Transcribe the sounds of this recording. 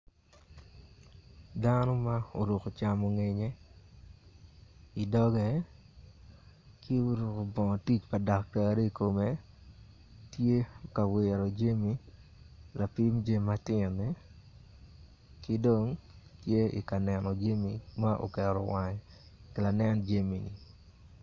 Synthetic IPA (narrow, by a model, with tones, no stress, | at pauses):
danɔ˦ma˦o̰˨ɾu˨ko˨t͡ʃamo˨ŋe˨ɲe˦ | i˨dɔ˦ɡɛ˨ | kɪ˦o˦ɾu˨ko˨bɔ˨ŋ˨ti˦t͡ʃpa˨da˨k̚ta˨ɾe˦i˨ko˨me˨ | tje˦ka˨wɪ˨ɾo˨d͡ʒe˦mi˦ | la˨pi˦md͡ʒe˦mːa˦tɪ˦nɛ˦ | kɪ˦do˨ŋtje˦ḭ˨ka˨nɛ˨nɔ˨d͡ʒe˦mi˨ma˦ʔo̰˨kɛ˨ɾɔ˨wa˨ɲ˨ | kɪ˨la˨nɛ˦nd͡ʒe˦mi˨ni˨